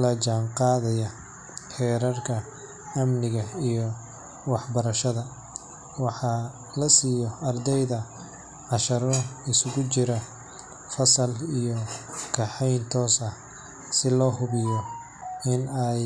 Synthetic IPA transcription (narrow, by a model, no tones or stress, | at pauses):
lɐt͡ʃaːɴqɑːðɐjɐ | ħɛːɾɐrkʰɐ | ɐmnɪɣɐijɔ | wɑħbɐɾɐʃɐðɐ | wɑħɑ | lɐsiːjɔɐrd̪ɛjðɐ | ʕɑʃɐɾɔɪsʊɣʊt͡ʃɪɾɐ | fɐsɐlijɔkʰɑħɛjnt̪ʰɔːsɐ | sɪlɔːhʊβɪjɔ | ɪnɛj